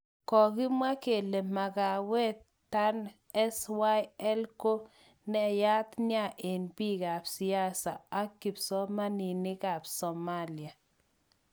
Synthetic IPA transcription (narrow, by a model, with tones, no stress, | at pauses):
kɔ˨kɪ˦mwa˦ke˨le˨ma˨ɡa˨wɛ˦t | ta˦n | ɛ˦swa˦jɛ˦lko˦ | nɛ˦ja˦t̪nja˦˨ʔe˨nbi˦˨ka˨psi˨a˦sa˨a˦kːi˨psɔ˦ma˦ni˨nɪ˦ka˨psɔ˨ma˦lja˨